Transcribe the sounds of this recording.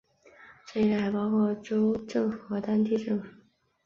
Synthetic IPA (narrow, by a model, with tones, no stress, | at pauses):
ʈ͡ʂe˥˩˥la˥˩ɪpɑ˥ʊkʰwɔ˥˩ʈ͡ʂo˥ʊʈ͡ʂɤ˥˩ŋxɤ˧˥t̪a˥nt̪i˥ʈ͡ʂɤ˥˩ŋfu˨˩˥